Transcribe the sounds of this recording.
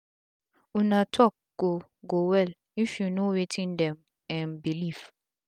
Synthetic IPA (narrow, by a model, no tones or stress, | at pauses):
unatʰɔk̚ɡ̥o | ɡowɛl | ifunowetʰĩndɛ̃m | ɛ̃nbilif